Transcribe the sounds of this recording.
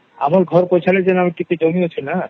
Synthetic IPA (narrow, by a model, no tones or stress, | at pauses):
amaɾɡʱɔɾpojt͡ɕʰaled͡ʑenamiɾkit̪ed͡ʑomiot͡ɕʰena